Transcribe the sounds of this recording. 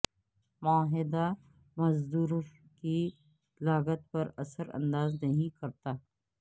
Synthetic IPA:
maːɦɪd̪a | mɐzd̪uːɾki | laːɣət̪̚pɐɾɐsəɾɐ̰̃nd̪aːznɐɦĩkɐɾt̪aː

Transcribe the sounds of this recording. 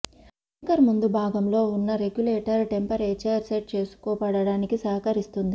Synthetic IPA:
ɐŋkɐɾmund̪ubʱaːɡɐmlo̞ːunːɐɾe̞ɡjuleːʈɐɾʈempɐɾeːt͡ʃaːɾseʈ̚t͡ʃe̞ːsu̥kɔːpɐɽɐɽaːnikisɐɦɐkɐɾist̪und̪i

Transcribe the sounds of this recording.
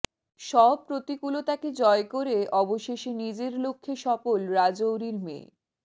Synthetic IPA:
ʃɔb̚pɾot̪ikulot̪aked͡ʑɔekoɾeʔɔboʃeʃenid͡ʑeɾlokʰːeʃɔfolɾad͡ʑowɾiɾmḛ

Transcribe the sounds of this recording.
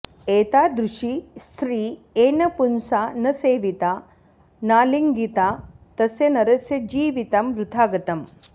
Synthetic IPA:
eːt̪aːd̪ɾuʂist̪ʰɾiː | eːnɐpunsaːnɐseːʋit̪aː | naːliŋɡit̪aːt̪ɐsjɐnɐɾɐsjɐd͡ʒiːʋit̪ɐmʋɾut̪ʰaːɡɐt̪ɐm

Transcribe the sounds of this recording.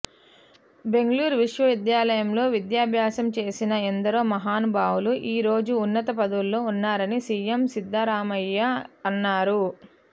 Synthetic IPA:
be̞ŋɡɐluːɾuʋiʂʋɐʋid̪jaːlɐjɐmlo̞ːʋid̪jaːbʱjaːsɐmt͡ʃe̞ːsinɐend̪ɐɾoːmɐɦaːnbaːwuluʔiːɾo̞ːd͡ʒuːnːɐt̪ɐpɐd̪ɐwulːo̞ːunːaːɾɐnisiːjemsid̪ʱːaːɾaːmɐjːɐɐnːaːɾu

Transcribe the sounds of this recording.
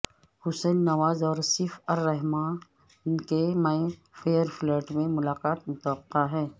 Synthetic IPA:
hʊsɛːnːɐʋaːzɔːɾsɪfɐɾːɛɦmãː | nkemaːĩfʰeːəɾflɛːʈmẽmʊlaːqaːt̪mʊt̪əwəqːaɦɛː

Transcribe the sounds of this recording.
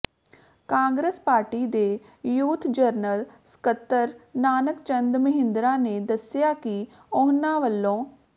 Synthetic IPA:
kãːŋɡɾeːspaːɾʈiːd̪eː | juːt̪ʰd͡ʒəɾnəlsə̥kət̪ːəɾnaːnəkt͡ʃənd̪məɦɪ̃nd̪ɾãːneːd̪əsɪjaːki | ɔːɦnãːʋəlːõː

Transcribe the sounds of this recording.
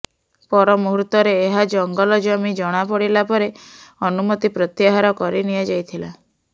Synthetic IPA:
pɔɾɔmuɦɾut̪ɔɾeːɦad͡ʒɔŋɡɔlɔd͡ʒɔmid͡ʒɔɽ̃apɔɽilapɔɾeɔnumɔt̪ipɾɔt̪jaɦaɾɔkɔɾinijad͡ʒajt̪ʰila̰

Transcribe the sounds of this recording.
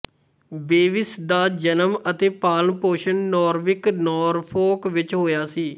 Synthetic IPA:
beːʋɪsd̪aːd͡ʒənəmət̪eːpaːlənpoːʃənːɔːɾʋɪknɔːɾpʰoːkʋɪt͡ʃɦoːjaːsiː

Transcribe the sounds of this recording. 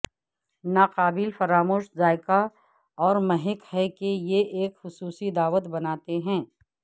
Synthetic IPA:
naːqaːbɪlfɐɾaːmoːʃzaːɪka | ɔːɾmɛɦɪkhɛkejeʔeːkxʊsuːsid̪aːʋət̪bɐnaːt̪eɦɛ̃ː

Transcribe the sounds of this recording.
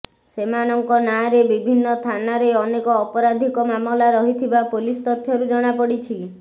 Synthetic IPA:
semanɔŋkɔnaɾebibʱinːɔt̪ʰanaɾeɔnekɔːpɔɾad̪ʱikɔmamɔlaɾɔɦit̪ʰibapolist̪ɔt̪ʰjɔɾud͡ʒɔɽ̃apɔɽit͡ʃʰi

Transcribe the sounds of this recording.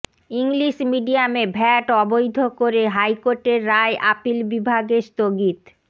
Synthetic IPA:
iŋliʃmiɖiamebʱɛʈɔbojd̪ʱokoɾeɦajkoɾʈeɾːaeʔapilbibʱaɡest̪oɡit̪

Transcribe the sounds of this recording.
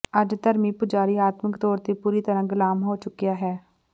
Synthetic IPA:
əd͡ʒt̪əɾmiːpʊd͡ʒaːɾiːaːt̪məkt̪ɔːɾt̪eːpuːɾiːt̪əɾãːɡɪlaːmɦoːt͡ʃʊkːɪjaːɦɛː

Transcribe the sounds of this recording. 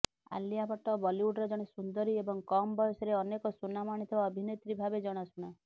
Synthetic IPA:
a̰liabɔʈɔbɔliuɖɾɔd͡ʒɔɽ̃esund̪ɔɾiebɔŋkɔmɔbɔjɔsɔɾeɔnekɔsunamaɽ̃it̪ʰibaɔbʱinet̪ɾibʱabed͡ʒɔɽ̃ɔsuɽ̃a

